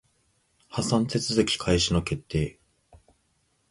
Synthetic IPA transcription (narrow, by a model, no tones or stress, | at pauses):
hasãnt̪e̞t͡sɨzɨkʲi̥kʰaiɕino̞ke̞t̪ʰːe̞ː